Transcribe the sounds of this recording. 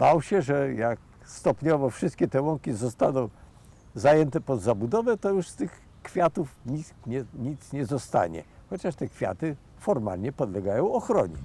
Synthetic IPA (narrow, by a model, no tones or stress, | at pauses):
b̥awɕɛʐɛjak̚ | st̪ɔpɲɔvɔfʂɘst̪kʲɛt̪ɛwɔŋkʲizɔst̪anɔ̃w̃ | zajɛnt̪ɛpɔd̪zabud̪ɔvɛt̪ɔjuʂst̪ɘx | kfʲjat̪ufɲi | ɲɛɲit̪sɲɛzɔst̪a̰ɲɛ̰xɔt͡ɕaʂt̪ɛkfʲja̰t̪ɘ | fɔɾma̰lɲɛpɔd̪lɛɡajɔ̃w̃ɔxɾɔɲɛ̰